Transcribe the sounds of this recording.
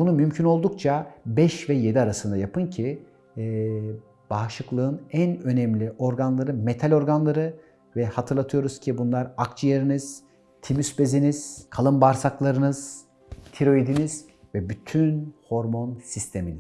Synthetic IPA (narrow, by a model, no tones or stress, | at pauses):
bunumymcʰyno̞lˠd̪ukt͡ʃʰabɛʃvɛje̞d̪iaɾasɯnd̪ajapʰɯncʰi | b̥aːʃɯklˠɯɯnænø̞nɛmlʲiʔo̞ɾɡanlˠaɾɯmet̪ʰalʲo̞ɾɡanlˠaɾɯ | vɛhat̪ʰɯɾlˠat̪ʰɯjo̞ɾuz̥cʰibunlˠaɾakt͡ʃʰɯjeɾiniz̥ | t̪ʰimysbe̞ziniz̥kʰalˠɯmbaɾsaklˠaɾɯnɯz̥ | t̪ʰiɾo̞id̪iniz̥ | vɛbyt̪ʰynho̞ɾmo̞nsist̪ʰe̞mini̥